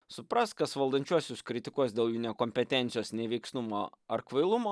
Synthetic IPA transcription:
sʊpɾɐst̪kɐsʋɐlˠd̪ɐnʲt͡ʃʲuɔsʲʊskɾʲɪt̪ʲɪkuɔsd̪ʲeːlˠjuːnʲɛːkoːmʲpʲɛt̪ʲɛnʲt̪sʲɪjoːsnʲɛʋʲɛɪksnumo̰ːɐɾkʋɐɪlˠʊmoː

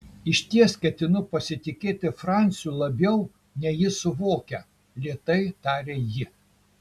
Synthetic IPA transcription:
ɪʃʲt̪ʲiɛskʲɛt̪ʲɪnʊpɐsʲɪt̪ʲɪkʲeːt̪ʲɪfɾɑˑnʲt̪sʲjuːlˠɐbʲjɛʊ | nʲɛjɪsʊʋoːkʲɛ | lʲiɛt̪ɐɪt̪ɑːɾʲeːjɪ

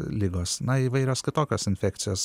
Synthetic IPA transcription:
lʲɪɡoːsnɐiːʋɐɪɾʲoːskʲɪt̪oːkʲoːsɪnʲfʲækt̪ʲɪjoːs

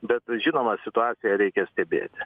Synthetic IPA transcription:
bʲɛt̪ʒʲɪnoːmɐsʲɪt̪ʊɑːt̪sʲɪjɛɾʲɛɪkʲɛsʲt̪ʲɛbʲḛːt̪ʲ

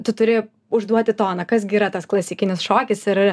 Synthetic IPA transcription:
t̪ʊt̪ʊɾʲeːjo | ʊʒd̪uɔt̪ʲɪt̪oːnɐkɐsɡʲiːɾɐt̪ɐsklˠɐsʲɪkʲɪnʲɪsʃoːkʲɪsɪɾ

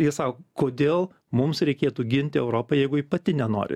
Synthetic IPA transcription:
jiɛsɑːkːokoːd̪ʲeːlˠ | mʊmsɾʲɛɪkʲeːt̪uːɡʲɪnʲt̪ʲɪɛʊɾoːpɐjɛɪɡʊiːpɐt̪ʲɪnʲɛno̰ːɾʲɪ̰

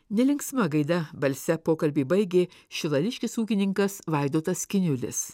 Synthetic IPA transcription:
nʲɛlʲɪŋksmɐɡɐɪd̪ɐbɐlʲsʲɛpoːkɐlʲbʲeːbɐɪɡʲeːʃʲɪlˠɐlʲɪʃʲkʲɪsuːkʲɪnʲɪŋkɐsʋɑˑɪd̪oːt̪ɐskʲɪnʲʊlʲɪ̰s

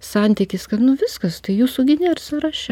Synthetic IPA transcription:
sɑnʲt̪ʲɪkʲɪskɐt̪nʊʋʲɪskɐst̪ɐɪjuːsʊɡʲɪnʲersɐɾɑʃʲɛ

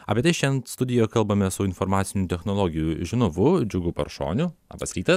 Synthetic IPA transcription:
ɑ̰ːpʲiɛt̪ɐɪʃʲɛnt̪st̪ʊd̪ʲɪjoːjkɐlˠbɐmʲɛsʊɪnfoɾmɑːt̪sʲɪnʲut̪ʲɛxnoːlˠoːɡʲɪjuːʒʲɪnoʋʊd͡ʒʲʊɡʊpɐ̰ɾʃo̰ːnʲʊɐ̰bɐsɾʲiːt̪ɐ

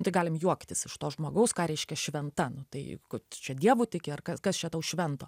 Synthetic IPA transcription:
nʊt̪ɐɪɡɑːlʲɪmjuɔkt̪ʲɪsɪʃt̪oːʒmoːɡɐʊskɑːɾʲɛɪʃʲkʲɛʃʲʋʲɛnt̪ɐnʊt̪ɐɪkʊt͡ʃʲɛd̪ʲiɛʋuːt̪ʲɪkʲɪɐrkɐskɐst͡ʃʲɛt̪ɐʊʃʲʋʲɛnt̪o̰ː

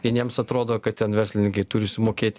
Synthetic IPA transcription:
ɪnʲiɛmsɐt̪ɾoːd̪oːkɐt̪tʲɛnʋʲɛɾsʲlʲɪnʲɪŋkɐɪt̪ʊɾʲɪsʲɪmoːkʲeːt̪ʲ

